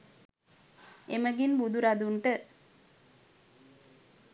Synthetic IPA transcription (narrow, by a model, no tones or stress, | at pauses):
eməɡinbud̪uɾad̪uɳʈə